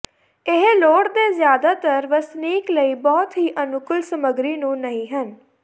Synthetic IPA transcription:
ɪɦloːʈd̪eːzjaːd̪aːt̪əɾʋəsniːkləiːbɔːt̪ɦiːʔənʊkəlsəməɡɾiːnũːnəɦĩːɦən

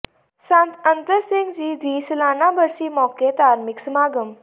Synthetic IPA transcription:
sãnt̪ənt̪əsiŋɡd͡ʑiːd̪iːslanabəɾsiːmɔket̪aɾmiksmaɡəm

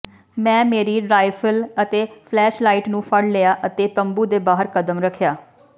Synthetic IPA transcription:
mɛ̃ːmeːɾiːɖɾaːɪfʰələt̪eːpʰlɛːʃlaːiʈnũːpʰəɽlejaːʔət̪eːt̪əmbuːd̪eːbaːɦəɾkəd̪əmɾəkʰːjaː

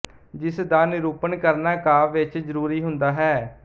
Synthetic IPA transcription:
d͡ʒɪsd̪aːnɪɾuːpənkəɾnaːkaːʋɪt͡ʃzəɾuːɾiːɦʊnd̪aːɦɛː

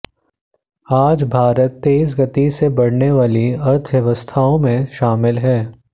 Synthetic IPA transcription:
aːd͡ʒbʱaːɾət̪ːeːs̬ɡɐt̪isebɐɽneʋaːliɐɾt̪ʰʋjɐʋəst̪ʰaːõmẽʃaːmɪlɦɛː

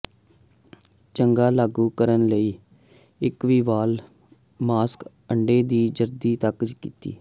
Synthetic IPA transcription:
t͡ʃəŋɡaːlaːɡuːkəɾənləiː | ɪkʋiːʋaːl | maːsk | əɳɖeːd̪iːd͡ʒəɾd̪iːt̪əkd͡ʒkḭːt̪ḭː

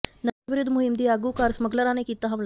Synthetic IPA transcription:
nəʋɪɾʊd̪mʊɦɪmd̪iːaːɡuːkaːɾsməɡləɾãːneːkiːt̪aːɦəml

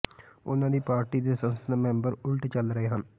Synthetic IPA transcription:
ʊnãːd̪iːpaːɾʈiːd̪eːsənsnmɛ̃ːmbəɾʊlʈt͡ʃəlɾəɦeːɦən

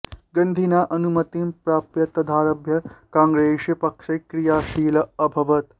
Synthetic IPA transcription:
ɡɐnd̪ʱinaːʔɐnumɐt̪impɾaːpjɐt̪ɐd̪ʱaːɾɐbʱjɐkãːŋɡɾeːʂjɐpɐkʂɐkɾijaːʃiːlɐɐbʱɐʋɐt̪

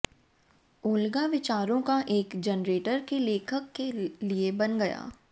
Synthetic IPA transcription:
ʊːlɡaʋɪt͡ʃaːɾõkaʔeːkd͡ʒənɾeːʈəɾkeleːkʰəkːeliebɐnɡɐja̰ː

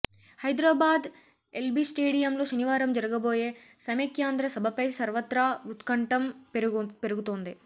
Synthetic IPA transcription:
hɐjd̪ɾaːbaːd̪ | elbiːsʈeːɽijɐmlo̞ːʃɐniʋaːɾɐmd͡ʒɐɾɐɡɐboːje̞ːsɐmekjaːnd̪ɾɐsɐbʱɐpɐjsɐɾʋɐt̪ɾaut̪kɐɳʈɐm | peɾuɡut̪oːnd̪i

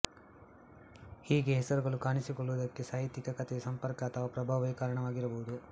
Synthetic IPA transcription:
hiːɡe̞ɦɛsɐɾuɡɐɭukaːɳisikɔɭːuʋɐd̪ɐkːe̞saːjit̪ːikɐkɐt̪esɐmpɐɾkɐːt̪ʰɐʋɐpɾɐbʱaːʋɐkaːɾɐɳɐʋaːɡiɾɐbɐɦud̪u

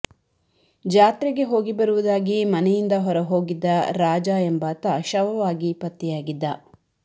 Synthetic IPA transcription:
d͡ʒaːt̪ɾɛɡe̞ɦo̞ːɡibɐɾuʋud̪aːɡimɐnɛjind̪ɐɦɔɾɐɦo̞ːɡid̪ːɐɾaːd͡ʒaːembaːt̪ɐʃɐʋɐʋaːɡipɐt̪ːijaːɡid̪ːɐ

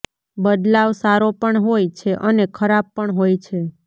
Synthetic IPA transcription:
bəd̪laʋsaɾopəɳɦojt͡ʃʰeʔənekʰəɾab̚pəɳɦojt͡ʃʰe

